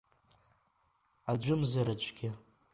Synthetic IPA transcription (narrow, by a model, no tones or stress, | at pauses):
ad͡ʒʷʊmzaɾat͡ʃʷʰʼɡʲɪ